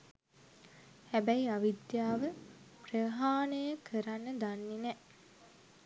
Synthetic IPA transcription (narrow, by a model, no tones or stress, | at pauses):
hæbæjiaʋid̪jaːʋəprəɦaːnəjəkʰəɾanːəd̪anːinɛ